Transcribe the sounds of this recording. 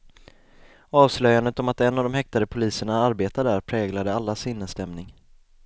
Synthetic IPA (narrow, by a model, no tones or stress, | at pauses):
ɑːvslœjand̪ət̪ɔmat̪ɛnːavd̪ɔmhɛk̚t̪ad̪əpʰʊliːsəɳaaɾbeːt̪ad̪æɾpʰɾɛːɡlad̪əalːasɪnːəst̪ɛmnɪŋ